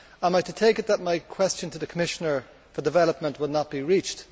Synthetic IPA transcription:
ãɪ̃maɪtətʰeɪkɨt̪̚ðət̚maɪkʰw̥ɛst͡ʃə̃ntʰəðɨkʰəmɪʃənə˞ | fə˞dɨvɛləp̚mə̃nʔwədⁿnət̚b̥iɹit͡ʃt

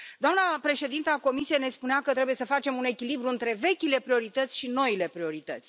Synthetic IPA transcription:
d̪oamnəpɾe̞ʃe̞d̪int̪əako̞misijene̞spuneakət̪ɾe̞buje̞səfat͡ʃe̞mune̞kʲilibɾuɨnt̪ɾe̞ve̞kʲile̞pɾio̞ɾit̪ət̪sʲʃino̞ile̞pɾio̞ɾit̪ə̰t̪sʲ

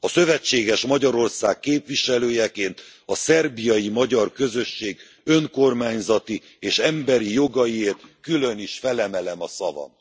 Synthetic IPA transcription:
ɒsø̞vɛt͡ʃːeːɡɛʃmɒɟɒɾo̞rsaːkːeːpʋiʃɛløːjɛkeːnt̪ɒsɛrbijɒjimɒɟɒrkø̞zø̞ʃːeːɡ | ø̞ŋko̞rmaːɲzɒt̪i | eːʃɛmbɛɾijo̞ɡɒjieːrt̪kylø̞niʃfɛlɛmɛlɛmɒsɒvɒ̰m

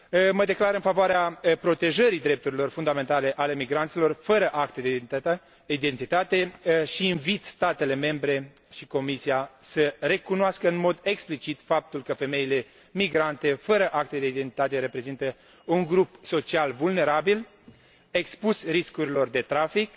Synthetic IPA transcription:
məd̪e̞klaɾɨnfavoaɾeapɾo̞t̪e̞ʒəɾid̪ɾe̞p̚t̪uɾilo̞rfund̪ame̞nt̪ale̞ʔale̞miɡɾant̪silo̞rfəɾəʔakt̪ed̪ | id̪ent̪it̪at̪e̞ʃiːnvit̪st̪at̪e̞le̞me̞mbɾe̞ | ʃiko̞misiasəɾe̞kunoaskəɨnmo̞d̪e̞ksplit͡ʃit̪fap̚t̪ulkəfe̞me̞ile̞ | miɡɾant̪e̞fəɾəʔakt̪ed̪eid̪e̞nt̪i̥t̪at̪eɾe̞pɾe̞zint̪ə | uŋɡɾupso̞t͡ʃialvulne̞ɾabil | e̞kspusriskuɾilo̞rd̪e̞t̪ɾafik

